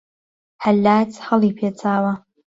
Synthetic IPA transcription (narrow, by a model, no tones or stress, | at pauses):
ħalːat͡sʰħalipʰjat͡sʰaːwa